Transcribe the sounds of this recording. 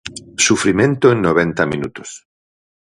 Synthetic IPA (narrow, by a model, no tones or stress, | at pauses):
sufɾimẽnt̪oeŋnoβẽnt̪aminut̪o̥s